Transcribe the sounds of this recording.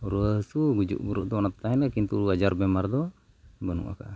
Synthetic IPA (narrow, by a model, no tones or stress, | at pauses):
ɾəsuɡud͡ʒṵʔbuɾuʔd̪ɔnapt̪aɦɛnakint̪uuad͡ʒaɾbɛmaɾd̪ɔ | bənṵʔa̰ka̰ʔa